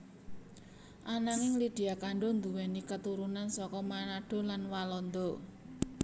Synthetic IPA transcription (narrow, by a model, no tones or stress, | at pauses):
ʔanaŋɪŋlid̪̥i̤akaɳɖɔnd̪uwɛnikət̪uɾunansɔkɔmanaɖ̥ɔ̤lanwalɔnd̪ɔ